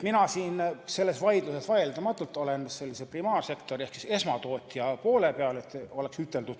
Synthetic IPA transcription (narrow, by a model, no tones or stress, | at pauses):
minɑsiːnse̞lːe̞svɑjd̪̥luse̞svɑjeld̪ɑmɑt̪ːˑult̪ːˑo̞le̞nse̞lʲːiseprimɑːrse̞kt̪o̞ɾiehksi̥se̞smɑt̪o̞ːt̪ʲːˑjɑpo̞ːle̞peɑle̞t̪ːˑo̞le̞ksyt̪ːˑe̞ld̪ud̪̥